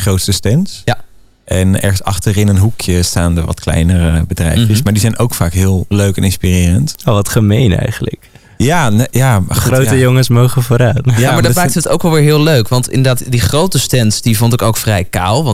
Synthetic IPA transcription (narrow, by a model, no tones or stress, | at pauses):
χrowtstəstɛnsj | ʔɛnɛ̰ɹχənsɑ̰χtərɪnənɦukʰjəstaːndə̰ʋɑ̰tklɛ̰jnərəbədrɛ̰jfjəsmaːɹdizɛjnʔowkfaːkɦɪːlˠløɥkɛnɪnspirɪːrəntoʋɑtχəmejnɛ̰jχənlə̰k | jaːnjaːχrowtəjoŋənsmowχəvoːɾaːtjamaɹdɔmaːktəəto̰wkʋɛlˠʋɪːɹɦɪːløɥkʋɑntɪ̰ndə˞daːtdiχrowtəstɛnsdivʊntɪkowkfrɛjkaːlˠʋɑ